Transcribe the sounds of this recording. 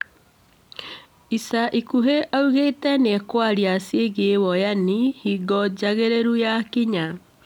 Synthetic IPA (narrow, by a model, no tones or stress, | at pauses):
isaʔikuɦeʔauɣetɛnekwaɾiasjeɣewɔjanihiɡɔd͡ʑaɣeɾeɾujakiɲa